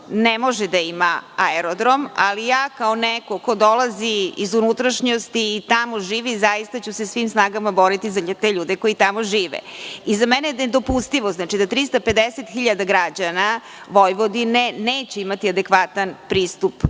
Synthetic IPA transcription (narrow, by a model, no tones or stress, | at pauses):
nemo̞ʒɛd̪aimaaeɾod̪ɾo̞malijaːkaonɛkoko̞d̪o̞lˠaziizunut̪ɾaʃɲost̪iːt̪amoʒiːʋizajist̪at͡ɕusesʋiːmsnaːɡamabo̞ɾit̪izat̪eʎuːd̪eko̞it̪amo̞ʒiːʋɛ̰izamɛnened̪o̞pust̪iʋoznaːt͡ʃid̪at̪ɾist̪ape̞d̪eset̪xiʎad̪aɡɾad͡ʑana | ʋo̞jʋo̞d̪ineneːt͡ɕeimat̪iad̪ekʋat̪anpɾiːst̪up